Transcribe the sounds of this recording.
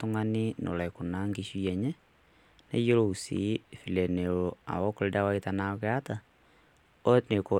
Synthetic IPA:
toŋa˦ni˦no̰˨lɛ˨ko˨na˦ŋɡiʃui˦ɛɲɛ˦ | nḛ˦jo˦ɾo˦˨u˨sḭ˨˦fi˨lɛ˨ne˨ɾo˨a̰˨wɔ˦koɾeda˦waita˨naɣɛa˦ta˨ | o˦ne˨ko˨

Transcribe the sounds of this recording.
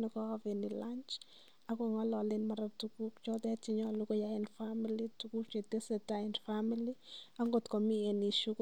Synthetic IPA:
nɔ˨kɔ˦avenila˦nt͡ʃ | a˦kɔ˨ŋa˦lɔ˨lɪnma˨ɾatuku˦kt͡ʃɔ˦t̪ɛ˦t͡ʃi˦ɲɔ˦lu˦ko˦ja˦ɛnfamilituku˦kt͡ʃe˨te˦sɛ˨taɛndfamilia˦ŋɡo˨tkɔ˨mi˦ɛni˨ʃu˦k

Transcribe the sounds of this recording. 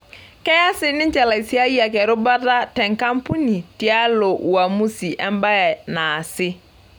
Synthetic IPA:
kɛ˦ja˦sɪ˦nɪ̃˦ɲ˦t͡ʃɛ˨la˨i˨si˦a˦i˦a˨kɛ˨ɾʊ˦ba˦ta˦tɛ˨ŋka˦mpu˦ni˨ti˨a˦lo˨wa˨mu˦si˨ʔɛ̰˦m˦ba˦jɛ˨na˨sɪ˦

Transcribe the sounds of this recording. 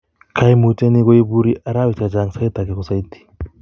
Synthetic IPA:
kʰa˦jmu˨t͡ʃʼe˦ni˦ko˦i˦bu˦ɾi˦a˨ɾa˦wi˨t͡ʃa˨d͡ʒa˨ŋsa˦i˦t̪a˨kɛ˨kɔ˨sa˦i˦t̪i̥˨

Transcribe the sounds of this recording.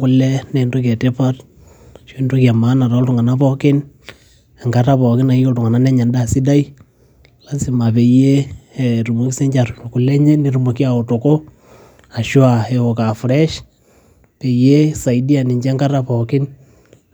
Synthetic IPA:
ku˨˦lɛ˦nɛ˨ndo˦ka˨te˦pa˦t | ʃɔ˦ndo˦kia˨maː˦na˨ɾa˦ltu˨ŋa˨na˦pɔ˦kɪ˦n˨ | ŋɡa˨ɾa˦pɔ˨kɪ˦na˨i˦ko˦ltʊ˨ŋa˨na˦nɛ˦ɲa˨nda˨si˦da˦i˦ | la˦si˨ma˨pe˨je˦˨ɾu˨mo˨ki˦se˦ɲd͡ʒa˨ɾku˨lɛ˦ɲɛ˦ni˨˦ɾu˨mo˨ki˦a˨o˨to˨ko˦ | a˨ʃwa˨ɛ˨o˨ka˨fɾɛ˦ʃ | pe˨je˦sa˨i˦di˦a˨ni˨ɲd͡ʒɛ˦ŋɡa˦ɾa˦pɔ˨kɪ˦n

